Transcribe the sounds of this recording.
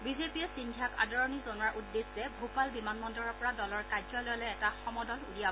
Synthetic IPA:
bizepiɛsindʱjaka̰dɔɹɔnizɔnwaɹʔudːesɛbʱopalbimanmɔndɔɹɔɹpɔɹadɔlɔɹkajzɔlɔjlɔɛɛtaxɔmɔdɔlṵlia

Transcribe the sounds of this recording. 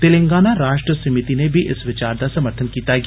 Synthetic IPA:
t̪ɪlɪ̃ŋɡaːnaɾaːʃʈɾəsɐmɪt̪inebʱiʔɪsʋɪt͡ʃaːɾd̪asɐməɾt̪ʰənkiːt̪aɡ

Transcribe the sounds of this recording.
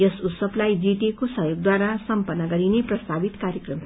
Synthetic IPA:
jʌsut̪sʌblajd͡ziʈ̪ekosʌɦjoɡ̚d̪waɾasʌmpʌnːʌɡʌɾineprʌst̪ʰabit̪kaɾjʌkrʌm

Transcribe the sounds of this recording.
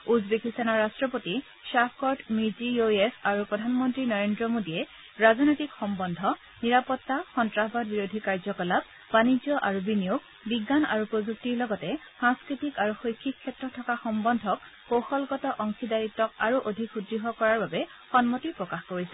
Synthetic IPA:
uzbekistʰanaɹastɹɔpoti | sapʰkɔdmiɹzioesaɹupɹɔdʱanmɔntɹinɔɹendɹɔmodiɛ | ɹazɔnojtikxɔmbɔndʱɔ | niɹapɔtːaxɔntɹaɦbʱad̚biɹodʱikaɹzɔkɔlab̚ | banid͡ʒjɔʔaɹubinijuk̚ | biɡːana̰ɹupozuk̚tiɹlɔɡɔtɛsãŋskɹitikaɹuxojkʰːikʰːɛtɹɔtʰːɔkaxɔmbɔndʱɔk̚ | poxɔlɡɔtɔʔɔŋkidaɹitːɔkaɹuʔodʱikudɹiɦɔkɔɹaɹbabɛ | xɔnmɔtipɹɔkaxkoɹisɛ

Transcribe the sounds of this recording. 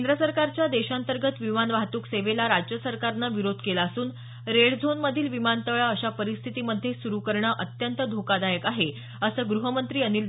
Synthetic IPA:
kend̪ɾəsəɾkaɾt͡ɕjad̪eɕant̪əɾɡət̪ʋimanʋaɦt̪uːkseʋelaɾad͡ʑjəsəɾkaɾnaʋiɾod̪ʱkelaəsuːn | ɾeɭd͡zʱonməd̪ʱiːlʋimant̪əʋɭaəɕapəɾist̪ʰit̪iməd̪ʱːjesuɾukəɾɳəʔət̪jənt̪əd̪ʱokad̪ajəkaɦe | əsəːɡɾuɦəmənt̪ɾiːəniːl

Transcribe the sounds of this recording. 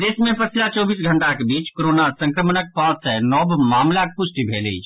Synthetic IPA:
d̪eːsmẽpəslat͡ʃɔːbiːsɡʱəɳʈakebiːt͡ʃkoɾoːnasə̃ŋkɾəmənək̚pãːt̪senɔːbmaːmlak̚pʊsʈibʱeːlḛː

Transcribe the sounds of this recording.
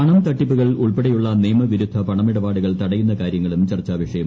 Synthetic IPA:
ɐɳɐmt̪ɐʈːipːuɣɐɭuɭpeɽɐjuɭːɐniːmɐʋiɾud̪ʱːɐpɐɳɐmiɽɐbaːɽuɣɐɭt̪ɐɽɐjunːɐkaːɾjɐŋːɐɭumt͡ɕɐrt͡ɕːaːʋɐʂɐjɐm

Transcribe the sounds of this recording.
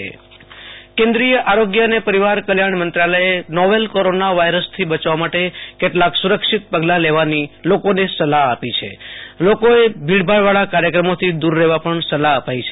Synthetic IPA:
ḛ | kẽnd̪ɾijəʔaɾoɡjəənepəɾiʋaɾkəljaɳmənt̪ɾaləjenɔʋelkoɾonaʋajɾəst̪ʰibət͡ʃʋamaʈekeʈlaksuɾəkʂit̪̚pəɡlaleʋanilokonesəlaɦapit͡ʃʰḛlokoebʱiɭbʱaɭʋaɭakaɾjəkɾəmot̪ʰid̪uɾːeʋapəɳsəlaəpajt͡ʃʰe

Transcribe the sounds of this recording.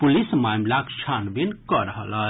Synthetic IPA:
pulismamlakt͡ʃʰanbinkɔɾəɦələ

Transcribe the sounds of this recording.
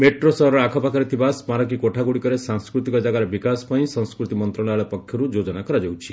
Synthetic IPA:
meʈɾosɔɦɾɔakʰɔpakɔɾit̪ʰibaspaɾɔk̬ikoʈʰaɡuɽikɔɾesaŋskɾut̪ikɔd͡ʒaɡaɾebikaspaĩsɔ̃ŋskɾut̪imɔnt̪ɾɔɭ̃aɭɔpɔkʰjɔɾud͡ʒod͡ʒɔnakɔɾad͡ʒewt͡ʃʰi

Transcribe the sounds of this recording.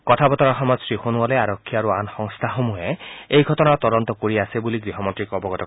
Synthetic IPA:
kɔtʰabɔtɔɹɔxɔmɔzsɹixonuɔlɛaɹɔkʰːiaɹuanxɔŋst̪ʰaxomuɦɛejɡʱɔtɔnaɹt̪ɔdɔnt̪ɔkoɹiasebuliɡɹiɦɔmɔntɹikɔbɔɡɔtɔ

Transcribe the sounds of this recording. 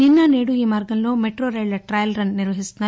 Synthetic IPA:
ninːɐneːɽuiːmaːɾɡɐnloːmeʈɾoːɾeːɭɐʈɾaːjɐlɾɐnniɾʋɐɦist̪naː

